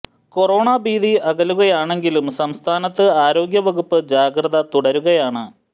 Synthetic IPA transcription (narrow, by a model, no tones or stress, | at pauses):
ko̞ro̞ːɳaːbiːðiɐɣɐluɣɐjaːɳe̞ŋɡilumsɐmst̪ʰaːnɐt̪ːɨaːɾo̞ːɡjɐʋɐɣupːɨd͡ʑaːɡrɐðɐt̪uɽɐɾuɣɐjaːɳɨ